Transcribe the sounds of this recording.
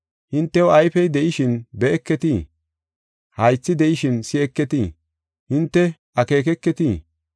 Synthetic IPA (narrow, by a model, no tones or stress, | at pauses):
hɪnt̪ːɛwɔɐjfɛjd̪ɛʔɪʃɪnbɛɛkːɛt̪i | hɐjt͡sːɪd̪ɛʔɪʃɪnsɪɛkːɛt̪iː | hɪnt̪ːɛʔɐke̞ːkɛkːɛt̪iː